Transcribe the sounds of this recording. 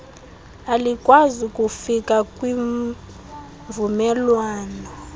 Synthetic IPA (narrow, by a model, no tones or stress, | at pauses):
alikʼwazikʼufikʼakʼwiɱ | vumɛlwaːnɔ